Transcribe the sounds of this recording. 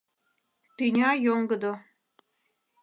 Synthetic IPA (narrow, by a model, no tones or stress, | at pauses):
t̪inʲɑjoŋɡəd̪o